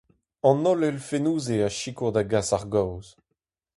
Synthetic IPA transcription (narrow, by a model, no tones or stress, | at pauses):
ɑ̃nɔlɛlfenuːzeaʃikod̪aɡasaʁɡawz